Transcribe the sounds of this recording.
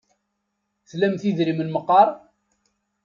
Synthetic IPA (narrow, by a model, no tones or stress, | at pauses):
θlæmθiðɾimənməqːɑɾˤ